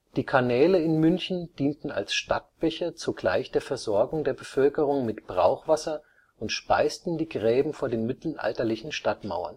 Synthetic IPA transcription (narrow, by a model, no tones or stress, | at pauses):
d̥iːkʰanɛːləɪnmʏnçn̩d̥iːntn̩a̰lsʃtat̚b̥ɛçɐt͡suɡla̰ɪçd̥eːɐfɛɐzɔɐɡʊŋdeːɐbəfœlkəʁ̞ʊŋmɪtb̥ʁa̰ʊχv̥asɐ | ʔʊntʃpa̰ɪstn̩diːɡʁɛːbm̩foːɐdeːnmɪtl̩ʔa̰ltɐlɪçn̩ʃtatma̰ʊɐ̰n